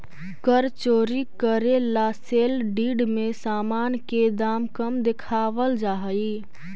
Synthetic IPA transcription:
kəɾt͡ʃoːɾikəɾelaselɖiːɖmesaːmaːnked̪aːmkəmd̪ekʰaʋəld͡ʒaːɦəi

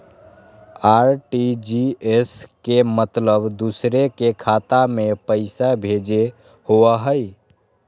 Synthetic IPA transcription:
aɾʈid͡ʒieskemət̪ləbd̪usɾekekʰat̪amepəɪsabʱed͡ʒe | hoəɦəj

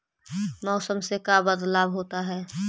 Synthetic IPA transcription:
mɔːsəmsekabəd̪laːbɦoːt̪aɦɛː

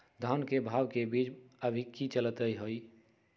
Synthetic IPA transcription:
d̪ʱankebʱaːbkebiːd͡ʒəbʱikit͡ʃəlt̪əiɦoi

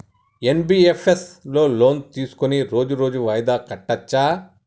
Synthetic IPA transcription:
enbiːepʰeslo̞ːlo̞ːnt̪iːsu̥koniɾo̞ːd͡ʒuɾo̞ːd͡ʒuʋɐjd̪aːkɐʈːɐt͡ʃːaː

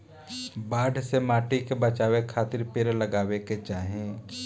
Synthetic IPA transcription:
baːɖʱsemaːʈikebət͡ʃaːwekʰaːt̪ɪɾpeɾləɡaːweket͡ʃaːɦẽ

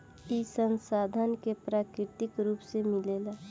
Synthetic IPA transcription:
isə̃nsaːd̪ʱənkepɾaːkɾɪt̪ɪkɾuːpsemɪleːlaː

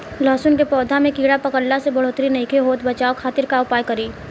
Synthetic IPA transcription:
lɔːsʊnkepɔːd̪ʱamẽkiːɽapɐkəɽlasebɐɽ̤oːt̪ɾinɐikʰeɦoːt̪bɐt͡ʃaːokʰaːt̪ɪɾkaʊpaːjkɐɾiː

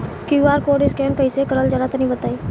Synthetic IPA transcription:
kiaːɾkoːɖɪskeːnkəĩsekəɾəld͡ʒəlat̪ːnəɦĩbət̪aːi

